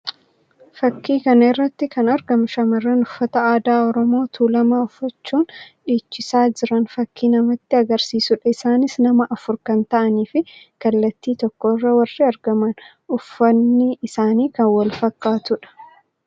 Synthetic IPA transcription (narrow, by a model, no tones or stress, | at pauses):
fɐkːiːkɐnɛrːɐt̪ːɪkɐnɐɾɡɐmɐʃɐmɐrːɐnʊfːɐt̪ɐaːd̪aːɔɾɔmo̞ːt̪ʰuːlɐmaʊfːɐt͡ʃːuːnᶑiːt͡ʃːɪsaːd͡ʒɪɾɐnfɐkːiːnɐmɐt̪ːɪɐɡɐɾsiːsʊᶑɐɪsaːnɪsnɐmɐʔɐfʊɾkɐnt̪ɐʔɐniːfɪkɐlːɐt̪ːiːt̪ɔkːoːrːɐwɐrːɪɐɾɡɐmɐn | ʊfːɐnːɪɪsaːniːkɐnwɐlfɐkːaːt̪ʊᶑɐ̥